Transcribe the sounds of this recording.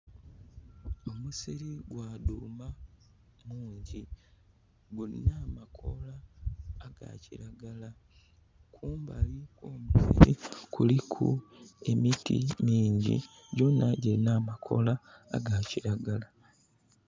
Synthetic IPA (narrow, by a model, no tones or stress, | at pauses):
o̞musiɾiɡwaːduːma | muːɲɟi | ɡuinaːmakʰo̞̰laː | ɡa̰ciɾaɡala | kʰuːmbalikoːmusḭɾḭkʰulikʰṵe̞mitḭmiːɲɟḭ | ɟo̞naɟenaːmakʰo̞̰la̰ːɡaciɾaɡala